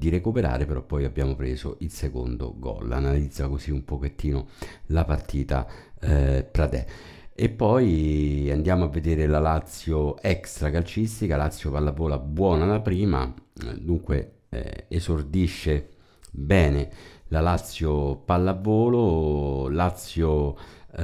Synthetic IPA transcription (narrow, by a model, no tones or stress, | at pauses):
d̪iɾekupeɾa̰ːɾepeɾɔpːɔjabːjaːmopɾeːzo̰ʔilseko̰nd̪o̰ɡɔ̰lːa̰nalid̪zːakoziumpoket̪ːiːnolapart̪ʰiːt̪a̰ | pɾad̪ɛ̰ | epːɔjand̪jaːmoavːed̪eːɾelalat̪sːjoɛkst̪ɾakalt͡ʃist̪ikalat̪sːjopalːavːoːlabwɔːnalapɾiːma̰d̪uŋkwḛ | ezord̪iʃːe | bɛːnelalat̪sːjopalːavːoːlolat̪sːjo